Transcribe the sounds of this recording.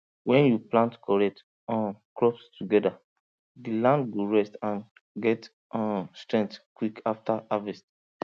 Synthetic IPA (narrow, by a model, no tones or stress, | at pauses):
wɛ̃njuplãntkɔɹɛt | ɔ̃nkɹɔpstuɡɛda | dilãnd̚ɡoɹɛstãn | ɡɛt | stɹɛ̃ŋtkwikaftaavɛst